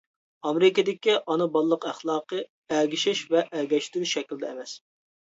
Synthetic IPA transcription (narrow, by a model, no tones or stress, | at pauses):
ɑmeɾɪkʲid̪ɪkʲiʔɑnɨbɑlˠːəqæχlˠɑːqə | æɡʲiʃɪʃvɛʔæɡʲɛʃt̪ɪɾyʃɛkʲild̪ɛːmɛs